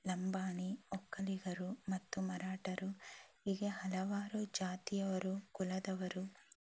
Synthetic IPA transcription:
lɐmbaːniɔkːɐliɡɐɾumɐt̪ːumɐɾaːʈɐɾuhiɡehɐlɐʋaːɾud͡ʒaːt̪ijɐʋɐɾukulɐd̪ɐʋɐɾu

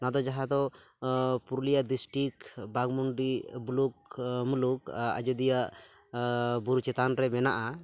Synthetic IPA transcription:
nad̪ɔd͡ʒaɦad̪ɔ | puɾlijaʔd̪isʈikbaɡmuɳɖibulukmuluka̰d͡ʒɔd̪ijaʔ | buɾt͡ʃɛt̪anɾɛmɛnaʔa

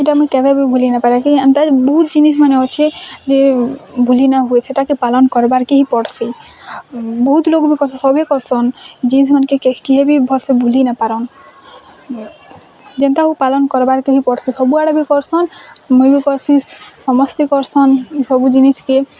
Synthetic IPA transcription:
eʈamujkɛbʱebibʱulinapaɾakiant̪abɔɦut̪d͡ʒinismaneɔt͡ʃʰed͡ʒebʱulinaɦuet͡ʃʰeʈakepalɔnkɔɾbaɾkeɦipɔɽsi | bɔɦut̪lokbikɔɾsʰɔ̃sɔbʱekɔɾsɔnd͡ʒinis̬manekekekeɦebibʱɔlsebʱulinapaɾɔn | d͡ʒent̪aɦupalɔnkɔɾbaɾkeɦipɔɽsisɔbuaɽɔbikɔɾsɔnmujbikɔɾsissɔmɔst̪ikɔɾsʰɔnsɔbud͡ʒiniske

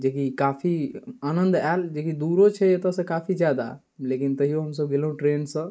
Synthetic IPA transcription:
d͡ʒekikaːpʰianə̃nd̪ɛld͡ʒekid̪uɾot͡ʃʰɛjet̪əsə̃kapʰid͡ʒjad̪a̰ | lekint̪əɦijoɦəmsəbɡelũʈɾeːnsə̃

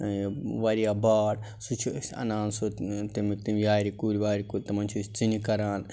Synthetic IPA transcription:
ʋaɾijaːbaːɽ | sut͡ʃʰisʲɐ̰naːnsot̪imt̪imjaːɾikuːɾiʋaːɾikuɾʲt̪ɐmɐnʲt͡ʃʰusʲt͡sinikɐɾaːn

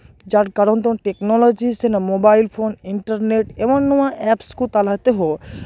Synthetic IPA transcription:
d͡ʑaɾkaɾont̪õʈeknɔlod͡ʑisenamobajlfʰoniɳʈaɾneʈeboŋnuaʔɛpskut̪alat̪eɦo

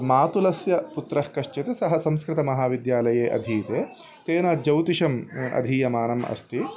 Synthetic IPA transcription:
maːt̪ulɐsjɐput̪ɾɐhkɐʃt͡ʃɐt̪esɐɦɐsɐmskɾɪt̪ɐmɐɦaːʋid̪jaːlɐjeːʔɐ̰d̪ʱiːt̪eː | t̪eːnɐd͡ʒɐwt̪iʃɐmɐ̰d̪ʱiːjɐmaːnɐmɐ̰st̪i

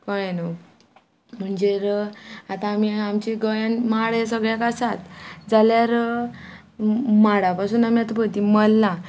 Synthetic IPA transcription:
kəɭeno | m̤əɳd͡ʑeɾat̪aːmiamt͡ɕiɡəjãnmaɽesəɡɭjakasat̪d͡zaljaɾ | maɽapasuːnamiat̪abəɭt̪iməlːa

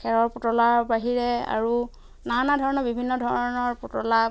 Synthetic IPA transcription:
kʰɛɹɔɹputɔlabaɦiɹɛa̰ɹu | nanadʱɔɹɔnɔɹbibʱinːɔdʱɔɹɔnɔɹputɔla

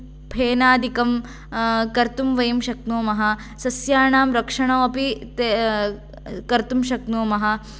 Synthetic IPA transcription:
bʱʰeːnaːd̪ikɐm | kɐɾt̪umʋɐjɐmʃɐk̪̚noːmɐɦɐ̆ | sɐsjaːɳaːmɾɐkʂɐɳɐʋɐpit̪e | kɐɾt̪umʃɐk̪noːmɐɦɐ̆

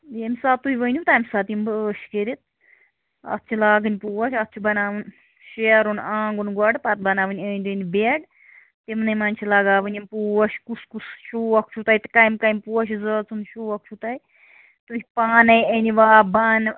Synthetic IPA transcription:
emʲsaːt̪ːuiʋənʲut̪aːmʲsat̪imbəːʃkeɾit̪̚ | ɐ̰t̪ːt͡ʃʰilaːɡɨnʲpuːʋɐʃʲɐt̪̚ːt͡ʃʰubɐnaːʋɨn | ʃeɾunãːŋɡunɡwɐɽpat̪̚bɐnaːʋɨnʲenʲd̪ɨnʲbeɽ | t̪emnɐmaːnt͡ʃʰilɐɡaːʋɨnʲimpuːʋɐʃkuskusʃuɐk̚t͡ʃʰut̪ajt̪kajmkajmpuɐʃizəːt͡sunʃuɐk̚t͡ʃʰut̪aj | t̪upaːnɐjeniʋaːbaːn

